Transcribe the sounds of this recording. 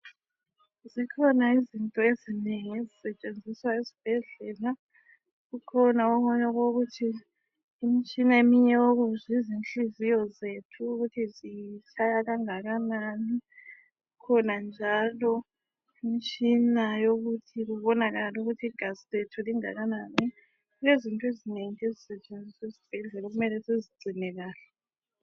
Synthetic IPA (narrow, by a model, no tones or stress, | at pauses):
zikʰɔnaizintʼɔezineŋezisɛt͡ʃʼend͡zʱiswaizib̥ʱɛɮɛla | ɣukʰɔnaɔɔɲaɣoɣutʰiː | mit͡ʃʼinaemiɲɛwoɣ̬uzizint͡ɬizijɔzetʰuːɣutʰizit͡ʃʰʼajaɣaŋaɣanani | ukʰɔnand͡ʒʱalɔ | imit͡ʃʰʼinajoɣutʰiɣuβɔnaɣaluɣutʰiiɡ̥ʱaziletʰuliŋa̰ɣanani | lezintʼuezineŋʼezisɛt͡ʃʼend͡zʱisizib̥ʱɛɮɛloɣ̬umɛlɛseziɡ͡ǀʱinɛɣaːlɛ